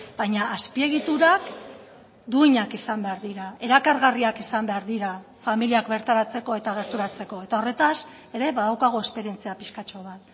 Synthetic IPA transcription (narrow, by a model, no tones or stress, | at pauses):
b̥ajɲaːspie̞ɣ̞it̪uɾak | d̪uiɲakisambe̞aɾðiɾae̞ɾakaɾɣariakisambe̞aɾðiɾa | familiakbe̞ɾt̪aɾat͡se̞ko̞e̞t̪aɣ̞e̞ɾt̪uɾat͡se̞ko̞e̞t̪ao̞re̞t̪as | e̞ɾe̞βaðawkaɣ̞oe̞spe̞ɾije̞nt͡siapiskat͡ʃo̞β̞at̪